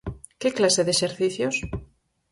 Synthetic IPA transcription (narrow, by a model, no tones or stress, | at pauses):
keklaseðeʃeɾθiθjos